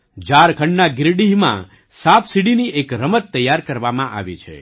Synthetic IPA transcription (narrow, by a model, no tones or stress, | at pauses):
d͡ʒaɾkʰəɳɖnaɡɪɾɖiɦmã̰ | sapsiɽiniekɾəmət̪ːəjːaɾkəɾʋamãʔa̰ʋḭt͡ʃʰḛ